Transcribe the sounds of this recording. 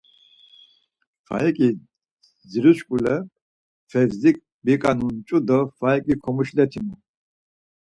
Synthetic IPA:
fa̰ɛkʼi | ziɾuʃkʼulɛ | fɛvzikʼ | bikʼanunt͡ʃʼud̪ɔfaɛkʼikʰɔmuʃlɛt̪ʰimu

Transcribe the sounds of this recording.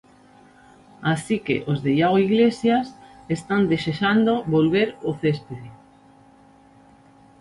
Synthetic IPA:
asikḛʔozðejaɣoiɣlesjasest̪and̪eʃeʃand̪oβolβeɾoθespeði

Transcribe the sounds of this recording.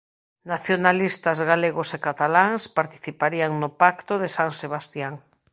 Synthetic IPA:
naθjonalist̪azɣaleɣosekat̪alaŋspaɾt̪i̥θipaɾiaŋnopakt̪oðesaŋseβ̞ast̪jaŋ

